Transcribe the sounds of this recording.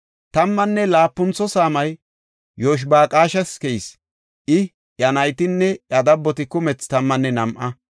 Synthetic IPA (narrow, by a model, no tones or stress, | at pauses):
t̪ɐmːɐnːɛlaːpːʊnt͡sːɔsaːmɐj | joːʃ̬baːkʼaːʃɐskɛjs | ʔɪ | jɐnɐjt̪ɪnːɛɐd̪ɐbːɔt̪ɪkʊmɛt͡st̪ɐmːɐnːɛnɐmʔɐ